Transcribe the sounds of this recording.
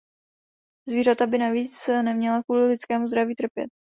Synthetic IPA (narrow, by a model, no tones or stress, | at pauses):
zviːɾat̪abɪnaviːt͡snɛmɲɛlakvuːlɪlɪt͡skɛːmuzd̪ɾaviːt̪r̩pjɛ̰t̪̚